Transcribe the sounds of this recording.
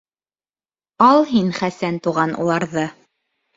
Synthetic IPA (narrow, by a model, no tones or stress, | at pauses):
ɑlˠɦinχæsænt̪uʁɑnṵlˠɑɾðɤ